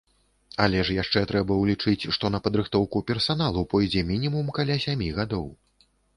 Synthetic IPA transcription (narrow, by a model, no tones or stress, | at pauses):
ɐlʲɛʂjaʂt͡ʂɛt̪ɾɛbɐwlʲit͡ʂɨt͡sʲʂt̪ɔn̪ɐpɐd̪ɾɨxt̪ɔwkupʲɛrsanalˠupɔjd͡zʲɛmʲinʲimumkalʲasʲamʲiɣad̪ɔw